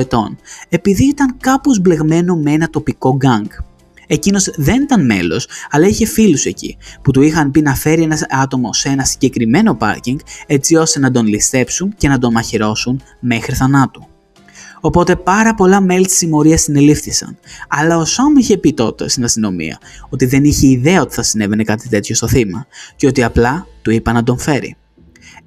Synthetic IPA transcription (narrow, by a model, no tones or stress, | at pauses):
et̪o̞̰ne̞piðiit̪ɐŋkɐpozble̞ɣme̞no̞mee̞nɐt̪o̞piko̞ɡɐŋɡ | e̞cino̞zðe̞nit̪ɐnme̞̰lo̞̰sɐlɐiçe̞filuse̞cḭput̪uixɐmpinɐfe̞ɾie̞nɐɐt̪o̞mo̞senɐsiɲɟe̞kɾime̞no̞pɐ̰ɾciŋɡe̞t͡sio̞st̪e̞nɐd̪o̞nlist̪e̞psunce̞nɐd̪o̞nmɐçiɾo̞sun | me̞xɾiθɐnɐt̪u | o̞po̞t̪e̞pɐɾɐpo̞lɐme̞lit̪i̥simo̞ɾiɐst̪ine̞lifθisɐ̰nɐlɐo̞somiçe̞pit̪o̞t̪e̞̰st̪inɐst̪ino̞mḭɐ̰o̞t̪iðe̞niçe̞iðe̞ɐo̞t̪i̥θɐsine̞ve̞ne̞kɐt̪it̪e̞t̪ço̞st̪o̞θimɐceo̞t̪iɐplɐt̪uipɐnɐd̪o̞ɱfe̞ɾḭ